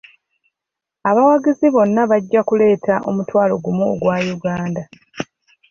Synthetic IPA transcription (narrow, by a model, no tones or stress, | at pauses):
aβawaɡiziβo̞nːaβaɟːakule̞ːtʰaʔo̞mutwaːlo̞̰ɡumuoɡwaːjuɡaːnda